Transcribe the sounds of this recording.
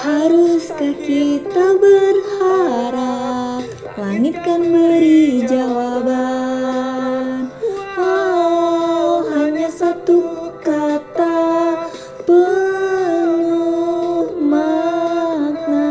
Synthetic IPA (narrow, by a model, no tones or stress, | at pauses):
haɾuskakit̪abərhaɾap | laŋit̪̚kanbəɾid͡ʒawaba | nɔ | wɦaɲasat̪ukat̪a | pə | nuhma